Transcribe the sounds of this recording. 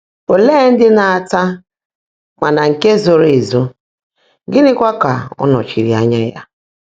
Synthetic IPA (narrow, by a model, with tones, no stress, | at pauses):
o˨leː˦n̩˦dɪ˦na˨a˨ta˦ | ma˨na˨ŋ̩˨ke˦zo˨ɾe˨zo˦ | ɡɪ˦nɪ˦kʷa˦ka˨ɔ̰˦nɔ̰˨t͡ʃi˨ɾi˨a˨˦ɲa˦ja̰˦